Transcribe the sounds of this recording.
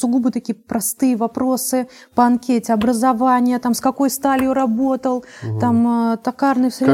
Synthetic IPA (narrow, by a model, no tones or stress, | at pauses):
sʊɡubɨt̪ɐkʲijəpɾɐst̪ɨjəvɐpɾo̞sɨ | pəɐnkʲetʲɪɐbɾəzɐvanʲɪjət̪amskɐko̞jst̪alʲoɾɐbo̞t̪əlˠt̪amt̪ɐkarnɨfsʲɾʲɪ